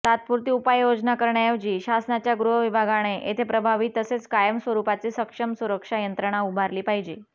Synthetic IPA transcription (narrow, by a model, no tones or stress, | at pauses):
t̪at̪̚puɾt̪iːupajjod͡znakəɾɳjajəʋd͡ʑiːɕasnat͡ɕjaɡɾuɦəʋibʱaɡaɽ̃eʔet̪ʰepɾəbʱaʋiːt̪əset͡skajəmsʋəɾupat͡siːsəkʂəmsuɾəkʂajənt̪ɾəɽ̃aubʱaɾliːpaɦid͡ʑḭː